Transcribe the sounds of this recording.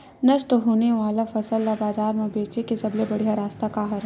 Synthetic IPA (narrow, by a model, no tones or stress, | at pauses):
nɐʃʈɦoːneʋaːlafɐsəlːabaːzaːɾmẽbeːt͡ʃekesɐblebɐɽ̤ijaɾaːst̪akaɦɐɾ